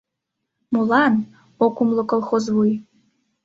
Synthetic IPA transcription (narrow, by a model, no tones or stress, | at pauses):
mulan | okʷʼʊmlɨkʷʼolˠχozwij